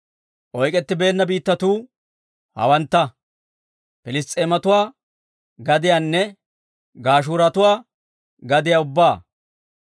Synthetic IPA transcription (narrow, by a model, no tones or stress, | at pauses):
ʔɔjkʼɛt̪ːɪbe̞ːnːɐbiːt̪ːɐt̪uː | hɐ̰wɐnt̪ːɐ | pɪlɪst̪ʼːeːmɐt̪ʊwaː | ɡɐd̪ɪjaːnːɛ | ɡaːʃ̬uːɾɐt̪ʊwaː | ɡɐd̪ɪjaʊbːaː